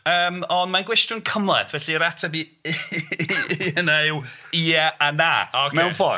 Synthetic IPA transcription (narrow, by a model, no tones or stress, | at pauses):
əːmɔndmanɡwɛstʊnkʰəmlˠɛ̰θvɛɬiɾatʰabi | ənejwiaana̰ːɔmɛwnfɔ